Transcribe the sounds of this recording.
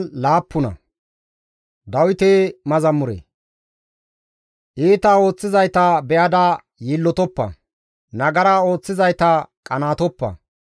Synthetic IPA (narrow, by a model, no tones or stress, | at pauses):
laːpːʊnɐ̰ | d̪ɐwɪt̪eːmɐzɐmʊɾḛ | ʔiːt̪ao̞ːt͡sːɪzɐjt̪ɐbɛʔɐd̪ɐ | jiːlːɔt̪ɔpːɐ̰ | nɐɡɐɾao̞ːt͡sːɪzɐjt̪ɐkʼɐnaːt̪ɔpːɐ̰